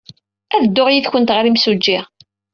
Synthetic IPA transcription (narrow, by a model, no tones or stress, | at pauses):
æðəd̪ːoʁjiðçənt̪ʁəlimsud͡ʒːiʁ